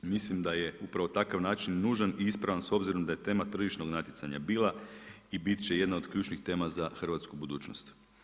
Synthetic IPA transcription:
mislimd̪ajeupɾaʋot̪akaʋnaːt͡ʃinːuːʒaniispɾaʋanso̞bziɾo̞md̪aje̞t̪e̞ːmat̪r̩ʒiʃno̞ɡnat̪jesaɲa̰biːlˠa | ibit̪t͡ɕe̞je̞d̪nao̞d̪kʎuːt͡ʃnixt̪e̞ːmazaxr̩ʋat̪skubud̪uːt͡ʃnost̪

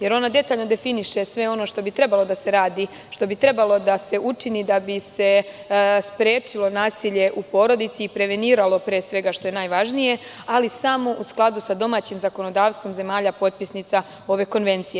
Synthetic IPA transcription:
je̞ɾo̞nad̪e̞t̪aːʎno̞d̪e̞finiʃe̞sʋe̞o̞no̞ʃt̪o̞bit̪ɾe̞balˠo̞d̪ase̞ɾaːd̪i | ʃt̪o̞bit̪ɾe̞balˠo̞d̪ase̞ʔut͡ʃinid̪abise̞ | spɾeːt͡ʃilˠo̞naːsiʎe̞ʔupo̞ɾo̞d̪it̪siːpɾe̞ʋe̞niːɾalˠo̞pɾeːsʋe̞ɡaʃt̪o̞je̞naːjʋaʒnije̞ | alisamo̞ʔusklˠad̪usad̪o̞maːt͡ɕimzako̞no̞d̪aːʋst̪vʋo̞mze̞maːʎapo̞t̪̚pisnit̪sa | o̞ʋe̞ko̞nʋe̞nt̪sije

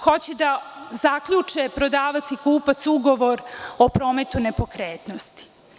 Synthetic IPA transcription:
xo̞t͡ɕed̪azakʎut͡ʂepɾo̞d̪aːʋat̪sikuːpat̪suɡo̞ʋo̞ɾopɾo̞ːmet̪unepo̞kɾeːt̪nost̪i̥

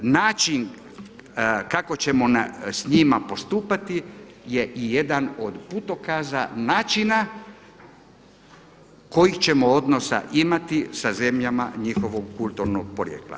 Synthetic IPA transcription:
naːt͡ʃin | kako̞t͡ɕe̞mo̞nsɲimapo̞st̪uːpat̪i | je̞ʔijed̪ano̞d̪put̪o̞kaza̰naːt͡ʃina | ko̞jixt͡ɕe̞moo̞d̪no̞sa̰ʔimat̪isaze̞mʎama̰ɲixo̞ʋoɡ̚kulˠt̪uɾnoɡ̚poɾjḛːklˠa̰

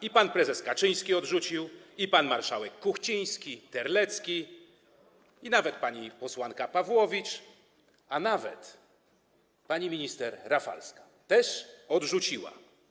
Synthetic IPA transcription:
ipanpɾɛzɛskat͡ʂɘj̃skʲiɔdʐut͡ɕiwipanmaɾʂawɛkːuxt͡ɕij̃skʲit̪ɛɾlɛt̪skʲi | inavɛt̪̚paɲipɔswankapavwɔvʲit͡ʂ | anavɛ̰t̪ | paɲimʲiɲist̪ɛɾːafa̰lskḁ | t̪ɛʂɔdʐut͡ɕiwa̰

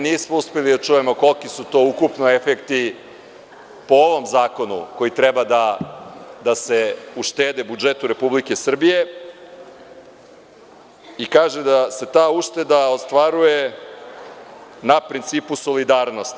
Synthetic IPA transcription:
niːsmouspelid̪at͡ʃuːje̞mo̞ko̞lkisut̪o̞ukupnoefekt̪i | po̞oʋo̞mzaːko̞nṵko̞jit̪ɾebad̪a | d̪ase̞uʃt̪eːd̪ebud͡ʒe̞t̪uɾe̞publike̞sr̩bije̞ | ikaːʒed̪ase̞t̪aːuʃt̪e̞d̪aost̪ʋaɾuje̞ | napɾint̪siːpuso̞lid̪aːɾno̞st̪

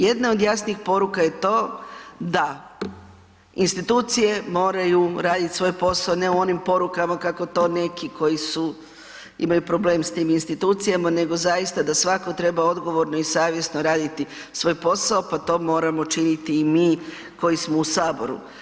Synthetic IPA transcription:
je̞d̪nao̞d̪jasniːxpo̞ɾukaje̞t̪o̞ːd̪a | inst̪it̪uːt̪sije̞mo̞ːɾajuɾaːd̪it̪sʋo̞jpo̞saone̞uo̞nimpo̞ɾukamakako̞t̪o̞ːne̞kikʰo̞jisu | ḭmajupɾo̞ble̞ːmst̪iːminst̪it̪uːt̪sijamane̞ɡo̞zajist̪ad̪asʋakot̪ɾe̞bao̞d̪ɡo̞ʋo̞ɾnoisaːʋje̞snoɾaːd̪it̪i | sʋo̞ːjpo̞saopat̪o̞ːmo̞ːɾamo̞t͡ʃinit̪iːmiː | ko̞jismo̞usaːbo̞ɾṵ

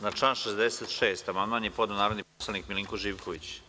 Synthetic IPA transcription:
nat͡ʃlaːnʃezd̪eset̪ʃeːst̪amand̪maːnjepot̪anaːɾod̪niposlˠanikmiliŋkoʒiːʋkʰoʋit͡ɕ

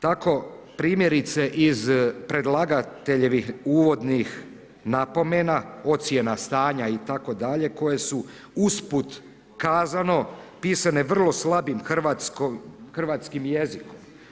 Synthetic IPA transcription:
t̪ako̞ | pɾiːmje̞ɾit̪se̞ʔizpɾe̞d̪lˠaɡat̪eʎeʋixuːʋo̞d̪nix | napo̞menao̞t̪sje̞nast̪aːɲait̪ako̞d̪aʎe̞ko̞je̞su | usput̪ | kaːzano̞piːsane̞ʋr̩lˠo̞slˠabimxr̩ʋat̪skoxr̩ʋaːt̪skimjezikom

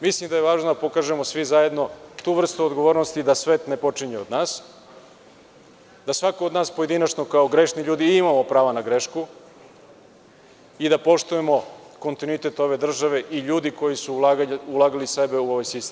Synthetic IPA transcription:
mislimd̪ajeʋaːʒnod̪apo̞kaʒe̞mo̞sʋizaje̞d̪no̞t̪uʋr̩st̪uod̪ɡo̞ʋo̞ːɾnost̪id̪asʋeːt̪ne̞po̞t͡ʂiɲeod̪naːs | d̪asʋakood̪naːspoje̞d̪inat͡ʃno̞kaoɡɾe̞ʃniʎuːd̪iimamo̞pɾaːʋanaɡɾeʃku | id̪apo̞ʃt̪uje̞mo̞ko̞nt̪inuit̪e̞t̪o̞ʋe̞d̪r̩ʒaʋe̞ʔiʎuːd̪iko̞jisuaulˠaːɡalisebe̞uoʋajsist̪em

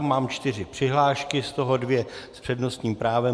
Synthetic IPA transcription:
maːmt͡ʃt̪ɪr̝ɪpr̥ɪɦlaːʃkɪst̪o̞ɦo̞dvjɛspr̥ɛdno̞st̪ɲiːmpɾaːvɛ

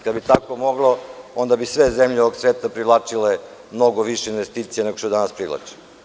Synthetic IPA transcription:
kad̪bit̪akomoɡlˠoo̞nd̪abisʋe̞zemʎeooɡsʋeːt̪apɾilˠat͡ʂile | mno̞ɡoʋiʃeinʋest̪iːt̪sijeneɡoʃt̪od̪anaspɾilˠa̰t͡ʂi̥

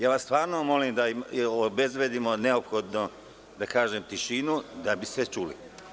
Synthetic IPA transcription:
jaːʋast̪ʋaːɾnomo̞limd̪aiobezʋeːd̪imo̞ne̞opxo̞d̪no | d̪akaːʒemt̪iʃinud̪abisʋet͡ʃuːlḭ

